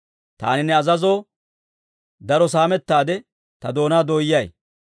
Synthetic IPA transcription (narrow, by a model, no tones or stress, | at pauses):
t̪a̰ːnɪnːɛɐzɐzoː | d̪ɐɾɔs̬aːmɛt̪ːaːd̪ɛ | t̪ɐd̪o̞ːnaːd̪oːjːɐj